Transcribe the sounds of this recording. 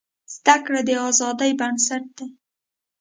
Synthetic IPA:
z̥d̪akɽad̪əɑzɑd̪ajbansaʈ̚d̪e

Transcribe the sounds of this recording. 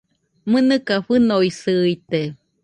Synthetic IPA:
mɨnɨkaɸɨnoisɨjt̪e

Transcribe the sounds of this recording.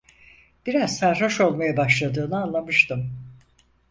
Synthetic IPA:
b̥iɾazsæɾɦoʃo̞lˠmajabaʃlˠad̪ɯːnɯanlˠamɯʃt̪ɯm

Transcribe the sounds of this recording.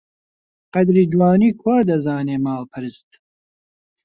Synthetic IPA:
qɐd̪ɾiːd͡ʒwaːniːkʰwaːd̪ɐzaːneːmaːlpʰɨɾɨst̪

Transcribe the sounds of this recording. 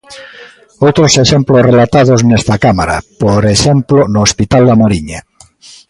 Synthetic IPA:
owt̪ɾoseʃemplosrelat̪að̞oznest̪akamaɾa̰poɾeʃemplonoːspit̪ald̪amoɾiɲa

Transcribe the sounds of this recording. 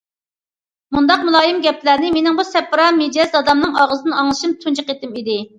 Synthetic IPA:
mund̪ɑqmulˠɑːjimɡʲɛplæɾnɪmenɪŋbusɛpːɾɑmed͡ʒɛzɑd̪ɑmnɨŋɑʁəzɨnɑŋlˠɨʃɨmt̪ʰund͡ʒɨqet̪ɪmid̪ɪ

